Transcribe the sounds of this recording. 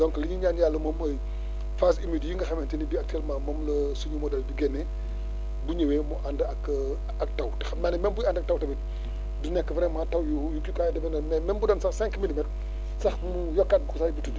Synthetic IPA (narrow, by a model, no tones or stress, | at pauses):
dɔŋkliɲiɲaːnjaːlːɐmɔmɐj | fas̬imiːdjiŋɡɐxɐmɛntinibiak̚tɛlmaːmɔmlɐsuɲumɔdɛlbiɡɛnːɛ | buɲɐwɛmuʔandɐk | ɐk̚tɐwtɛxɐmanɛmɛnbuandɐk̚tawtɛbɛ | dunɛkːəfɾɛmatɐwjujukukajdɐbɛnɐmɛmɛnbudɐnsɐxsɛŋkmilimɛt | sɐxmujɔkːat̚usabitu